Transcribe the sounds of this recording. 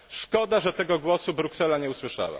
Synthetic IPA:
ʂkɔd̪aʐɛt̪ɛɡɔɡwɔsubɾuksɛlaɲɛuswɘʂa̰wa̰

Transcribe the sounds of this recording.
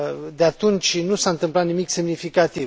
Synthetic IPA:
d̪eat̪unt͡ʃʲnusaɨnt̪ɨmplat̪nimikse̞mnifikat̪iv

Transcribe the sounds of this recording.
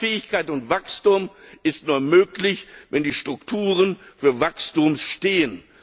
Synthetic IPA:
fɛːɪçkaɪtʊntv̥akstʊmʔɪstnuːɐmøːklɪçvɛndiːʃtʁ̥ʊktʰuːʁənfyːɐvakstumsʃteːən

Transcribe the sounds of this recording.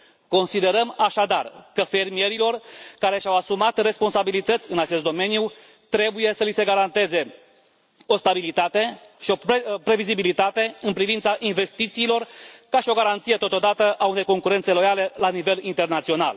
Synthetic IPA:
ko̞nsid̪e̞ɾəmaʃad̪arkəfe̞rmijeɾilo̞rkaɾe̞ʃawasumat̪re̞spo̞nsabilit̪ət̪sʲɨnat͡ʃe̞st̪d̪o̞me̞niju | t̪ɾe̞buje̞səlise̞ɡaɾant̪e̞ze̞ | o̞st̪abilit̪at̪e̞ʃio̞ppɾe̞vizibilit̪at̪e̞ɨnpɾivint̪saʔinve̞st̪it̪siːlo̞rkaʃio̞ɡaɾant̪sijet̪o̞t̪o̞d̪at̪əʔaune̞jko̞ŋkuɾent̪se̞lo̞jale̞lanive̞lint̪e̞rnat̪sio̞na̰l

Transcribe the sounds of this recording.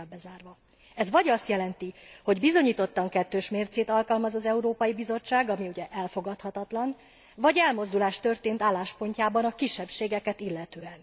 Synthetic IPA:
bɛzaːrvɒ | ɛzvɒɟɒst̪jɛlɛnt̪iho̞ɟbizo̞ɲiːt̪o̞t̪ːɒŋkɛt̪ːøːʃmeːrt̪seːt̪ɒlkɒlmɒzɒzɛuɾoːpɒjibizo̞t͡ʃːaːɡɒmiuɟɛʔɛlfo̞ɡɒt̪hɒt̪ɒt̪lɒn | vɒɟɛlmo̞zd̪ulaːʃt̪ø̞rt̪eːnt̪aːlːaːʃpo̞ɲcaːbɒnɒkiʃːɛpʃeːɡɛkɛt̪ilːɛt̪øːɛn

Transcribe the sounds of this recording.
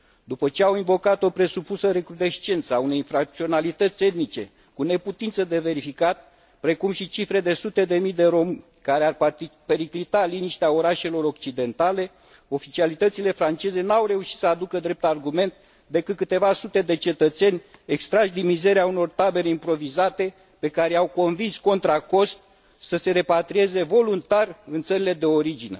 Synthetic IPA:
d̪upət͡ʃe̞awiɱvo̞kat̪o̞pɾe̞supusəɾe̞kɾud̪e̞ʃt͡ʃe̞nt̪səaune̞jinfɾak̚t̪sio̞nalit̪ət̪sʲe̞t̪nit͡ʃe̞ | kune̞put̪int̪səd̪e̞ve̞ɾifikat̪̚ | pɾe̞kumʃit͡ʃifɾe̞d̪e̞sut̪e̞d̪e̞mijd̪e̞ɾo̞mɨnʲ | kaɾearpe̞ɾiklit̪aliniʃt̪eao̞ɾaʃe̞lo̞ɾo̞k̚t͡ʃid̪e̞nt̪ale̞ | o̞fit͡ʃialit̪ət̪sile̞fɾant͡ʃe̞ze̞nawre̞uʃit̪səad̪ukəd̪ɾe̞p̚t̪arɡume̞nt̪̚ | d̪e̞kɨt̪̚kɨt̪e̞vasut̪e̞d̪e̞t͡ʃe̞t̪ət̪se̞nʲe̞kst̪ɾaʒd̪imize̞ɾeauno̞rt̪abe̞ɾe̞impɾo̞vizat̪e̞ | pe̞kaɾeawko̞nvinsko̞nt̪ɾako̞st̪̚ | səse̞ɾe̞pat̪ɾie̞ze̞vo̞lunt̪arɨnt̪səɾile̞d̪eo̞ɾid͡ʒine̞

